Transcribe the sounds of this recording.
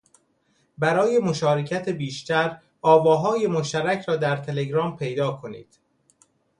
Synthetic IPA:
bæɾɒːje̞mo̞ʃɒːɾecʰæt̪ʰebiːʃt̪æɾ | ɒːvɒːɦɒːje̞mo̞ʃt̪æɾæcʰɾɒːd̪æɾt̪ʰe̞le̞ɡɾɒːmpʰe̞jd̪ɒːkʰo̞nḭːd̪̥

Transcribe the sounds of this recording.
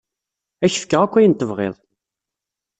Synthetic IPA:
æçə̥fkːəʁækʷːæjnt̪ːəvʁḛðˤ

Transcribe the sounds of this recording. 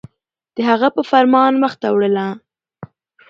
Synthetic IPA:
d̪̥əɦaɣapəfaɾmɑnwaxt̪awɽəla

